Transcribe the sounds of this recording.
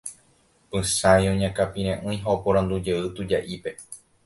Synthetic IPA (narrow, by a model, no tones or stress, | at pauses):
pɨ̃sãj̃õɲãkapĩɾ̃ẽʔɨ̃j̃ɦaopõɾ̃ãnd̪ud͡ʒeɨt̪ud͡ʒaʔipe̞